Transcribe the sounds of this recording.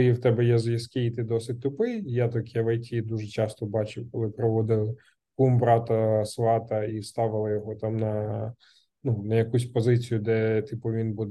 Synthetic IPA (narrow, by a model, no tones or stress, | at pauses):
iwt̪ɛbɛjɛzʋjɐskʲɪit̪ɪd̪ɔsɪt̚ʲt̪ʊpɪjjat̪ɔkɐʋɛjtʲid̪uʒɛt͡ʃɑst̪ɔbɑt͡ʃɪwkɔlˠɪpɾɔʋɔd̪ɪlˠɪ | kumbɾɑt̪ɐsʋˠɑt̪ɐist̪ɑʋɪlˠɐjɔɦɔt̪ɑmnɐ | nunɐjɐkusʲpɔzɪt͡sʲijʊd̪ɛt̪ɪpʊʋʲinbud̪